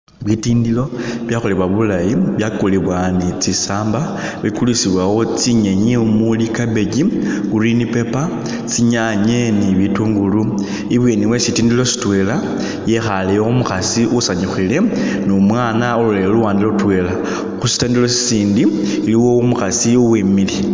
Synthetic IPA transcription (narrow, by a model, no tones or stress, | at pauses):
βitiːndilo̞βjaxuliβwaβulajiβjakoliβwanit͡sisaːmba | βikulusiβwawo̞t͡siɲeɲiumulikabe̞ɟikurinipe̞pa | t͡siɲaɲe̞niβituːŋɡulu | iβweniwesitiːndilo̞si̥twe̞la | jexalejoumuxasiʔusaɲuxile̞ | nomwaːnaoluleoluwaːndiloutwe̞la | xusi̥tindilo̞si̥siːndi | iliwo̞umuxasiuwemili